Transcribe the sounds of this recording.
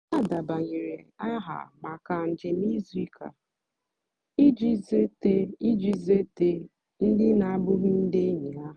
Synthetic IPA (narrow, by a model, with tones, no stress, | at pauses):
a˦˨da˨ba˨ɲi˨ɾe˨a˦ɦa̰˨ma˨ka˨n̩˨d͡ʒɪ˨ni˦zi˦kʰa̰˨ | i˦d͡ʒi˦ze˦te˦i˦d͡ʒi˦ze˦te˦ | n̩˦dɪ˦na˨a˦bʊ˦ɦʊ˦n̩˦de˦ɲi˨a˦